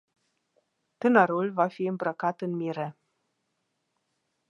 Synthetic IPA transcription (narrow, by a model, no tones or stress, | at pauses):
t̪ɨnəɾulvafiɨmbɾəkat̪ɨnmiɾe